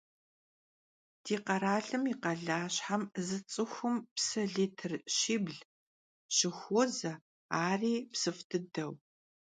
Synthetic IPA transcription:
d̥iːqɐɾaːɮɨmiqɐɮaːɕħamzɨt͡sʼɨxʷʊmpsɐɮiːtʰɨrɕiːbɮ | ɕɪxʷɔzɐ | aːriːpsɨftʰɨdɐw

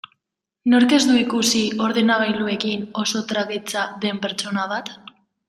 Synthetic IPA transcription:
no̞ɾke̞zd̪uikusio̞ɾð̞enaβ̞ajlue̞kino̞so̞t̪ɾaɣit͡saðe̞mpe̞ɾt͡ʃo̞naβ̞at̪

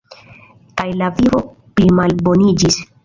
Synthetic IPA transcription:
kajlavivo̞ | pɾimalbo̞nid͡ʒis

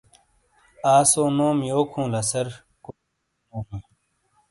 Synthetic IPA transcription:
aːsoːnoːmjoːkʰũːlɐsɐɾ | ko | nõːɦĩː

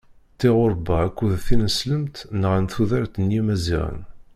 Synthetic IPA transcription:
t̪ːiʁʊɾˤbæækʷːuðθinəsləmt̪nəʁænθuðæɾt̪ənjimæzḭʁə̰n

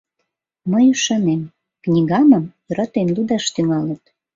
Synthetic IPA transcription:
məjyʃɑnem | knʲiɣɑməmjøɾɑt̪enlud̪ɑʃt̪yŋɑlət̪

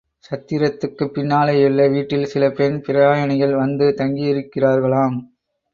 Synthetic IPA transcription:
sɐt̪ːɪɾɐt̪ːɯkːɯpːɪnːaːlɐjʊɭːɐʋiːʈːɪlsɪlɐpɛnpɪɾɐaːjɐɳɪɣɐɭʋɐnd̪ɯt̪ɐŋɡijɪɾɯkːɪraːɾɣɐɭaːm

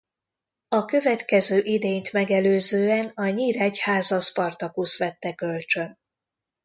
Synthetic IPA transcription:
ɒkø̞vɛt̪kɛzøːʔid̪eːɲt̪mɛɡɛløːzøːɛnɒɲiːɾɛchaːzɒspɒrt̪ɒkusʋɛt̪ːɛkølt͡ʃø̞n

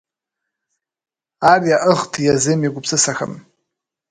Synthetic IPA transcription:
ariaʔəχtʰjazɨmiɡʷʊpʰsɨsaxʰa̰m

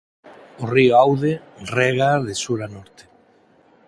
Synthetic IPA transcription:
orioawðe | reɣaðesuɾanɔɾt̪e̥

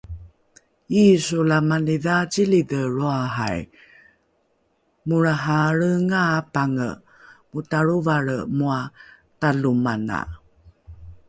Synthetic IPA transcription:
isulamaniðat͡ɕilidəɭoaɦa̰j | muɾaɦaɾəŋapaŋə̰ | mutaɾuvaɭəmua | talumana̰

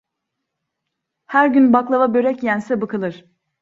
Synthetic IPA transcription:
hæɾɟynbaklˠavabø̞ɾɛcjænsɛbɯkʰɯlˠɯɾ̥

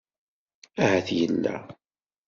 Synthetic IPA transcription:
æhæθjəlːæ̰

